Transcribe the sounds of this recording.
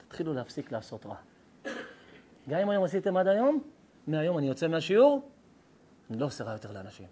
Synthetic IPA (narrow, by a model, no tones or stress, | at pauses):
t̪ḁt̪χiluleafsiklaːso̞tʁa̰ | ɡamimajo̞masit̪e̞mad̪ajo̞mː | eajo̞manijot͡se̞meaʃiuʁ | anilo̞ːseʁajo̞t̪e̞ʁleanaʃḭm